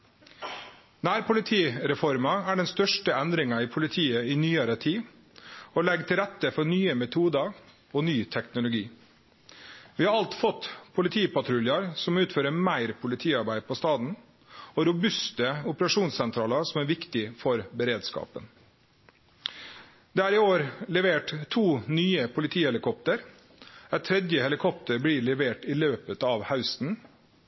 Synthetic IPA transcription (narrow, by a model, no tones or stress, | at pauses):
næːɾpʰʊlɪt̪ʰiːɾɛfɔɾmɑæɖɛnst̪œʂʈəɛnd̪ɾɪŋɑiːpʰʊlɪt̪ʰiːəinyːɑɾət̪ʰiː | ɔlɛɡt̪ʰɪlɾɛt̪ːəfɔnyːəmɛt̪ʰuːd̪ɑ | oːnyːt̪ʰɛknʊlʊɡiː | ʋɪːhɑɾɑlt̪fɔt̪pʰʊlɪt̪ʰiːpɑt̪ʰɾʉljɑɾsɔmʉːt̪føːɾəmæɪɾpʰʊlɪt̪ʰiːɑɾbæɪpʰɔst̪ɑːd̪n̩ | ɔɾʊbʉst̪əʊpəɾɑʂuːnssɛnt̪ʰɾɑːləsɔmæɾʋɪkt̪ɪfɔɾbəɾeːd̪skɑ̰ːpə̰n | d̪ɛːæːɾɪoːɾlɛʋeːʈt̪ʰuːnyːəpʰʊlɪt̪ʰiːhɛlɪkʰɔpt̪əɾ | æt̪ʰɾɛd̪jəhɛlɪkʰɔpt̪əɾblɪlɛʋeːʈɪløːpət̪ɑːʋhaʉst̪n̩